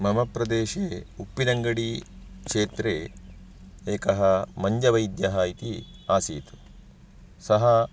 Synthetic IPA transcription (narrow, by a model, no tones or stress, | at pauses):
mɐmɐpɾɐd̪eːʃeːupːinɐŋɡɐɽi | kʂeːt̪ɾeː | eːkɐɦɐmɐɲd͡ʒɐʋɐjd̪jɐɦaːit̪iaːsḭːt̪u̥ | sɐɦɐ